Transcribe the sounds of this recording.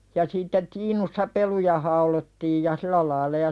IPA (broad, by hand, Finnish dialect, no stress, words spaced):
jɑ sitːe tiːnusːɑ pelujɑ hɑulotːiːj jɑ silæ lɑilɑ jɑ